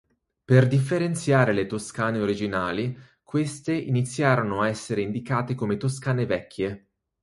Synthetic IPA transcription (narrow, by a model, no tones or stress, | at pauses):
perd̪ifːeɾent̪sjaːɾelet̪oskaːneoɾid͡ʒinaːli | kwest̪eʔinit̪sːjaːɾonoaɛsːeɾeind̪ikaːt̪ekomet̪oskaːnevɛkʰːje